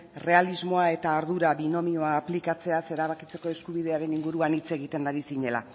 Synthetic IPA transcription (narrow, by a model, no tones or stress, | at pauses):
re̞alizmo̞ae̞t̪aːɾð̞uɾaβino̞mio̞aːplikat͡se̞ase̞ɾaβakit͡se̞ko̞e̞skuβið̞e̞aɾe̞niŋɡuɾuanit͡se̞ɣ̞it̪e̞nd̪aɾisiɲe̞la̰